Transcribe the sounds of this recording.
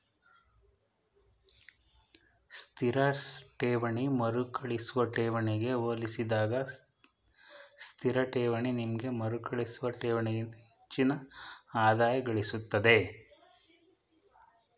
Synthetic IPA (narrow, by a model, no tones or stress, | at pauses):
st̪ʰiɾɐʈeːʋɐɳimɐɾukɐɭisuʋɐʈɛːʋɐɳiɡe̞oːlisid̪aːɡɐ | st̪ʰiɾɐʈɛːʋɐɳinimɐɡe̞mɐɾukʰɐɭisuʋɐʈɛːʋɐɳiɡint̪ɐhet͡ʃːinɐaːd̪aːjɐɡɐɭisut̪ːɐd̪e̞